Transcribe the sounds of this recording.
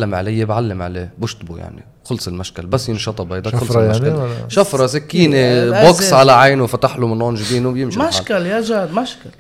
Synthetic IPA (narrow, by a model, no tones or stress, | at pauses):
lːamʕalɪjːebʕalːɪmʕalḛːbʊʃt̪buja̰ʕnḭ | xʊlsˤɪlmaʃkalbasːjɪnʃɑt̪ˤɑbhajd̪akʊlsmaʃaʃafɾˤɑsakːiːneboksʕalaʕajnufat̪aħlumɪnʕʊnʒbiːnubjɪmʃimaʃkaljaʒaːd̪maʃkal